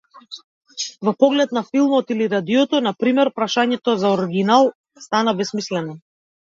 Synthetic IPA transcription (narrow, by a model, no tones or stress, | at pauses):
vɔpɔɡlɛt̪̚nafilˠmɔt̪iliɾad̪iɔt̪ɔnapɾimɛɾpɾaʃaɲɛt̪ɔzaɔɾɡinalˠ | st̪anabɛsmislɛnɔ